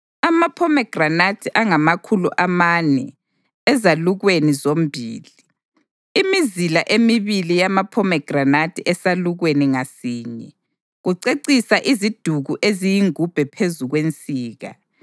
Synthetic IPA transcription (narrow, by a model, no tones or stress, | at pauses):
amapʰɔmɛɡ̥ranatʰiʔaŋamakʰuluʔamanɛ̰ | ɛzaluɣwenizom̩bʱiːli | imizilaʔemiβilijamapʰɔmɛɡ̥ʱranatʰiʔɛsaluɣweniŋasiːɲɛ | ɣuǀeǀisaʔizid̥ʱuɣuʔezijiŋub̥ʱɛpʰezuɣwent͡sʼiːɣa̰